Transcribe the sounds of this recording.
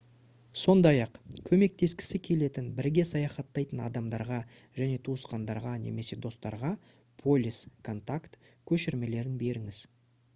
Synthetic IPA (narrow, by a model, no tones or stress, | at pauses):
so̞nd̪ɑjɑqkʲʰɵme̞k̚t̪e̞skʲɪ̥sɪkʲʰe̞le̞t̪ɪnbɪɾɡʲe̞sɑjɑχɑt̪ːɑjt̪ənɑ̰d̪ɑmd̪ɑɾʁɑ | ʒ̥æne̞t̪ʰuəsqɑnd̪ɑɾʁɑne̞̰me̞se̞d̪o̞st̪ɑ̰ɾʁɑ | pʰo̞lʲiskʰo̞nt̪akt̪kʲʰɵʃɪɾme̞le̞ɾɪnbe̞ɾɪŋɪz̥